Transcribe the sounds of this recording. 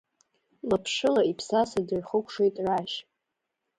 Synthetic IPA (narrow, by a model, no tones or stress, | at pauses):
lapʰʂɨlaipʰsasadɨrχəkʷʰʂejtʼraʃ